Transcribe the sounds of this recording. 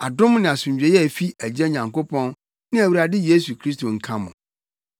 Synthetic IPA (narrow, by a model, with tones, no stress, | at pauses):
a˨dʊ̃˦mnɪ̃˨a˨sʊ̃˨ɲd͡ʑᶣɛ˨jɛ˦˨fi˦æ˨d͡ʑɛ˦ɲã˨ŋko˦pʰɔ̃˦n | nɪ̃˦æ˨wu˨ɾa˨dɪ˦je˦s̬u˨kʰɾi˦sto˨ŋ̩˨kʰã˦mʊ̰̃˨